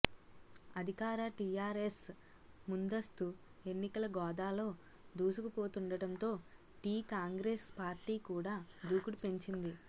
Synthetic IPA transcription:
ɐd̪ʱikaːɾɐʈijaːɾes | mund̪ɐst̪u | e̞nːikɐlɐɡɔːd̪aːlo̞ː | d̪uːsukupo̞ːt̪uɳɖɐɽɐnt̪o̞ː | ʈiːkaːŋɡɾeːspaːɾʈiːkuːɽaːd̪uːkuɽupe̞ɲt͡ʃind̪i

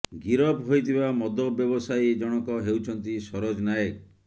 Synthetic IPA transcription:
ɡiɾɔpɦojt̪ʰibamɔd̪ʱɔbjɔbɔsajd͡ʒɔɽ̃ɔkɔɦewt͡ʃʰɔnt̪isɔɾod͡ʒnajek

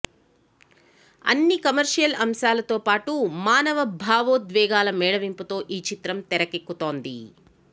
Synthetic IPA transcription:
ɐ̰nːikɐmɐɾʂijɐlɐmʃaːlɐt̪o̞ːpaːʈumaːnɐʋɐbʱaːʋoːd̪ʋɛːɡaːlɐmɛːɽɐʋimput̪o̞ːʔiːt͡ʃit̪ɾɐmt̪ɛɾɐkekːut̪o̞ːnd̪ḭ

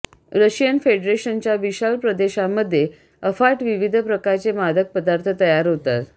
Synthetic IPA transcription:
ɾəɕijənfeɖɾeɕənt͡ɕjaʋiɕalpɾəd̪eɕaməd̪ʱːje | əfaʈʋiʋid̪ʱəpɾəkaɾt͡semad̪ʱək̚pəd̪aɾt̪ʰət̪əjaɾɦot̪a̰t̪

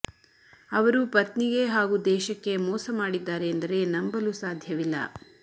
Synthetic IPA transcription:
ɐʋɐɾupɐt̪niɡe̞ɦaːɡud̪ɛːʃɐkːe̞mɔːsɐmaːɽid̪ːaːɾeːnd̪ɐɾe̞nɐmbɐlusaːd̪ʱjɐʋilːɐ̰

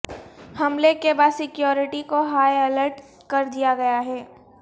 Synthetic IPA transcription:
hɐmlekebaːd̪sɪkjɔːɾɪʈikoɦaːjɐləɾʈ | kɐɾd̪ijaɡɐjaɦɛː

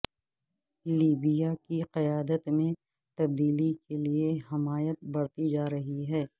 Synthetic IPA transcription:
liːbijakiqɐjaːd̪ət̪mẽ | t̪ɐb̚d̪iːlikelieɦɐmaːjət̪̚bɐɽt̪id͡ʒaːɾɐɦiɦɛː

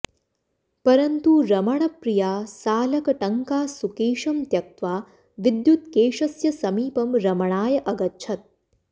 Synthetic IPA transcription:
pɐɾɐnt̪uɾɐmɐɳ̃ɐpɾijaːsaːlɐkɐʈɐŋkaːsukeːʃɐmt̪jɐk̚t̪ʋaː | ʋɪd̪jut̪̚keːʃɐsjɐsɐmiːpɐmɾɐmɐɳ̃aːjɐʔɐɡɐtːt͡ʃʰɐt̪̚

